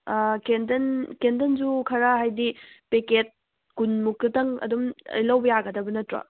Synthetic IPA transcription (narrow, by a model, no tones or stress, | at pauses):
kendɐnkendɐnzukʰɐɾaɦajdipeket̚ | kunmuk̚tɐtɐŋɐ̰dumɐ̰jlɐwbɐjaɡɐdɐbɐnɐtɾɐ̰